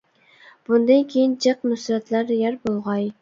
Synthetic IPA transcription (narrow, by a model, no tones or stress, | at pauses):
b̥ʊnd̪ɑnkʲʰejind͡ʒɨqnʊsɾat̪læɾjaɾbolˠʁɑj